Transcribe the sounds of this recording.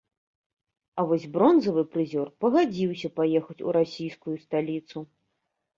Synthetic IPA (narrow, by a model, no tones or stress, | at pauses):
ɐvɔzʲbɾɔnzɐvɨpɾɨzʲɔrpɐɣad͡zʲiwsʲɐpajɛxɐt͡sʲṵɾasʲijskujust̪alʲit̪su